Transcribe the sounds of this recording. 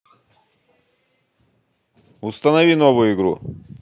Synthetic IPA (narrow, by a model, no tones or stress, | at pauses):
ʊst̪ɐnɐvʲinovʊjʊɪɡɾu